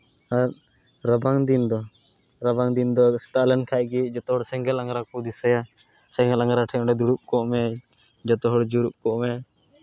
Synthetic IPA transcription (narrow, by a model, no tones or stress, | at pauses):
aɾ | ɾəbaŋd̪ind̪ɔ | ɾɐbaŋd̪ind̪ɔst̪alɛnkʰajɡid͡ʒɔt̪ɔɦɔɽsɛ̃ŋɡɛlãŋɡɾakud̪isɛja | sɛ̃ŋɡɛlãŋɡɾaʈʰɛɔɳɖɛd̪uɽup̚kɔʔmɛ | d͡ʒɔt̪ɔɦɔɽd͡ʒuɾup̚kɔʔmɛ